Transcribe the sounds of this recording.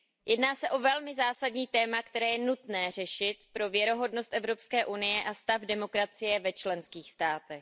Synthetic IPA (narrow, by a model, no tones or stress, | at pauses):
jɛdnaːsɛʔo̞vɛlmɪzaːsadɲiːt̪ɛːmakt̪ɛɾɛːjɛnut̪nɛːr̝ɛʃɪt̪pɾo̞vjɛɾo̞ɦo̞dno̞st̪ʔɛvɾo̞pskɛːʔunɪjɛʔast̪afdɛmo̞kɾat͡sɪjɛvɛt͡ʃlɛnskiːxst̪aːt̪ɛx